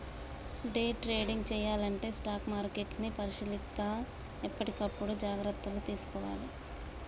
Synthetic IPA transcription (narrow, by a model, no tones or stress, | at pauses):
ɖeːʈɾe̞ːɽiŋɡt͡ʃɛːjaːlɐɳʈe̞ːsʈaːkmaːɾke̞ʈnipɐɾiʃilit̪ːaː | ipːɐʈikɐpːuɽud͡ʒaːɡɾɐt̪ːɐlut̪iːsu̥kɔːʋa̰ːli